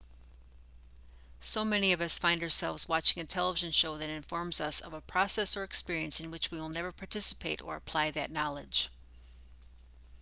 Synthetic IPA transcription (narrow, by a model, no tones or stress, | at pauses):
soʊmɛniʌvʌsfãɪ̃ndə˞sɛ̰lˠvzwɑt͡ʃɪ̃ŋɨtʰɛlˠəvɪʒɨ̃nʃoʊðɨɾɨ̃ɱfɔɹmzʌsʌ̰vəpʰɹ̥ɑsɛsə˞ɨkspɪɹiɨ̃nsɨ̃nwɨt͡ʃwiwəlˠnɛvə˞pʰɑɹtʰɪsə̥pʰeɪɾə̰˞əpʰl̥aɪðɨtⁿnɑlˠɨd̥ʒ̥